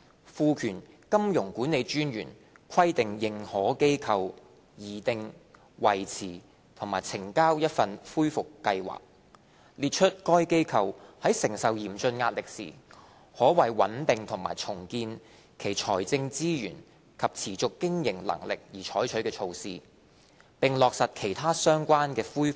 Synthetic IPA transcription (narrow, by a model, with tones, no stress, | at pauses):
fuː˧kʰyː˨˩nkɐ˥mjʊ˨˩ŋkuː˨˥nːe˨˧jt͡ʃyː˥njyː˨˩n | kʰɐ˥jt̪ɪ˨ŋjɪ˨ŋhɔː˨˥ke˥jkʰɐ˧w | jiː˨t̪ɪ˧ŋ | wɐ˨˩jt͡sʰiː˨˩ | t̪ʰʊ˨˩ŋmaː˨jt͡sʰɪ˨˩ŋkaː˥wjɐ˥t̚fɐ˧nfuː˥jfʊ˨kːɐ˧jwa̰ː˨˩k̚ | liː˨t̚t͡ʃʰɵ˥t̚kɔː˥jke˥jkʰɐ˧whɐ˨˥jsɪ˨˩ŋsɐ˨wjiː˨˩mt͡ʃɵ˧nŋaː˧t̚lɪ˨k̚sḭː˨˩ | hɔː˨˥wɐ˨˩jwɐ̰˨˥nt̪ɪ˨ŋt̪ʰʊ˨˩ŋma̰ː˨˩jt͡sʰʊ˨˩ŋkiː˧n | kʰe˨˩jt͡ʃʰɔː˨˩jt͡sɪ˧ŋt͡siː˥jy̰ː˨˩n | kʰɐ˨p̚t͡sʰiː˨˩t͡sʊ˨kːɪ˥ŋjɪ˨˩ŋlɐ̰˨˩ŋlɪ˨k̚jiː˨˩t͡ʃʰɔː˨˥jt͡ʃʰɵ˨˥ɥkɛː˧t͡ʃʰo˧wsiː˧ | pɪ˨ŋlɔː˨k̚sɐ˨t̚kʰe˨˩jt̪ʰaː˥sœː˥ŋkʷaː˥nkɛː˧fuː˥j